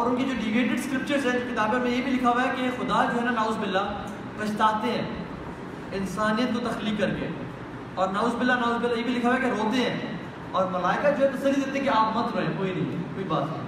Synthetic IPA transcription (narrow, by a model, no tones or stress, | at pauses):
ɔːɾʊnked͡ʒoːɖiɡeːʈeɖskɾɪp̚t͡ʃəɾzɦɛ̃ɪkɪt̪aːbɪɾmẽjebʱilɪkʰawaɦɛkexʊd̪ad͡ʒoːɦɛːnanaːʊːzbɪlːa | pɐt͡ʃʰt̪aːt̪eɦɛ̃ː | ɪnsaːnijət̪̚kot̪ɐxliːkːɐɾkḛː | ɔːɾnaːʊzbɪlːanaːʊzbɪlːajebʱilɪkʰawɛkeɾoːt̪eɦɛ̃ː | ɔːɾmɐlaːɪkəd͡ʒoːɦɛt̪ɐsəlːid̪eːt̪ẽɦɛ̃keaːpmɐt̪ɾoɦẽkoːinɐɦĩkoːibaːt̪ɦɛ̃